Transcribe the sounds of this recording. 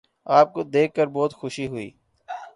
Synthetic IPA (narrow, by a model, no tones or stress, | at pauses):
aːp̚kod̪eːkːəɾbɔːt̪xʊʃiɦʊḭː